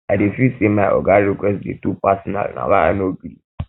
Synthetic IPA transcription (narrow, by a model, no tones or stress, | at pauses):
adefisemaʔɔ̰ɡaɾikwɛstdḛtupasɔna̰lnã̰wãa̰noɡɾḭ